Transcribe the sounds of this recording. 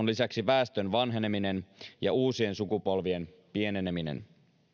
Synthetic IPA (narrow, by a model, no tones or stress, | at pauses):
onlisæksiʋæːst̪ønʋɑnɦe̞nemine̞njɑuːsie̞nsukupolʋie̞n | pie̞neneminḛn